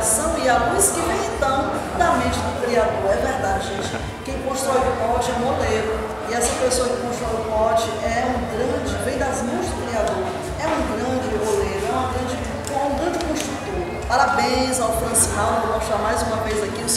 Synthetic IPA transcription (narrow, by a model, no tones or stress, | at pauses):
sɐ̃w̃ialuskɪveht̪ɐ̃w̃d̪ɐmẽt͡ʃɪd̪ʊkɾiad̪oɾɛvɛhd̪ad͡ʒɪʒẽt͡ʃɪ̥ | kẽj̃kõst̪ɾɔjʊpɔt͡ʃɪɛ̃mod̪eɾʊ | ɪɛsɐ̃pesoɐkɪkõst̪ɾɔjʊpɔt͡ʃɪʔɛũɡɾɐ̃d͡ʒɪvẽj̃d̪ɐzmẽt͡ʃɪd̪ʊkɾiad̪oɾ | ɛũɡɾɐ̃d͡ʒɪboleɾʊɛũɐɡɾɐ̃d͡ʒɪ | kõũɡɾɐ̃nd͡ʒɪkõʃt̪ɾut̪oɾ | paɾabẽj̃zawt̪ɐ̃shaw̃d̪ovõʃt̪amajzũmɐvezakiʊs